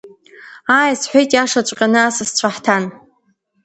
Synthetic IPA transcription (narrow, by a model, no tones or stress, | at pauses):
aːjsħʷᶣejtʼjaʂat͡ɕʷʼqʲʼanɨasɨst͡ɕʷʰaħtʰan